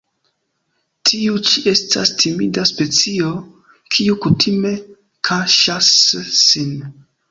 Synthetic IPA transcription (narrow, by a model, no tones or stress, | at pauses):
tʰiut͡ʃie̞sta̰stʰimidaspe̞t͡sio̞ | kʰiukutʰime̞ | kʰaʃasːin